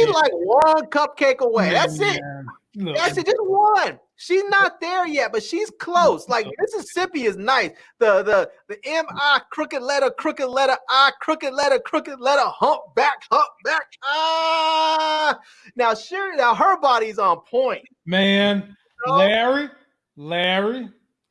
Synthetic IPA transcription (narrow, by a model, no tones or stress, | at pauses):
ʃilaɪkwʌ̃nkʰʌp̚kʰeɪkəweɪðætsɪt̚ | ðætsɨd̚d͡ʒʌs̚wʌ̃n | ʃiznət̪̚ðə˞jɛt̚b̥ʌtʃiz̥kʰl̥oʊslaɪk̚mɪsɨz̥sɪpiɨznaɪs | ðəðəðiʔɛ̃maɪkʰɹ̥ʊkɨtˡlɛɾə˞kʰɹ̥ʊkɨtˡlɛɾə˞ʔaɪkʰɹ̥ʊkɨtˡlɛɾə˞kʰɹ̥ʊkɨtˡlɛɾə˞hʌ̃mp̚b̥ækhʌ̃mp̚b̥æk̚ɑ | naʊʃʊɹnaʊɦə˞bɑɾizn̩pʰɔ̃ɪ̃nt̚mæ̃n | olæɹi | læɹi